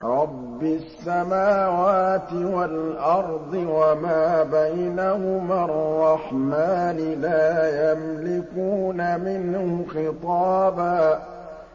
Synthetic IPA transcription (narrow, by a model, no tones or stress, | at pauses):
ɾˤɑbːɪsːamaːwaːt̪ɪwalʔɑɾˤd̪ˤɨwamaːbajnahʊmarːɑħmaːnɪlaːjamlɪkuːnamɪnhʊxɪt̪ˤɑːbaː